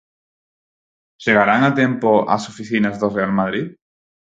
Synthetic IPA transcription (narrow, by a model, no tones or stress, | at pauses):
ʒeɣ̞aɾaŋat̪empoa̰sofiθinazðorealmaðɾið